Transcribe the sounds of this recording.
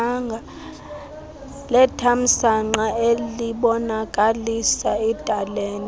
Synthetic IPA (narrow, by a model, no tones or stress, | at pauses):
ŋɡʱa | lɛtʰam̩saŋ͡ǃaeliɓɔnakʼalisaɛd̥ʼʱaleːni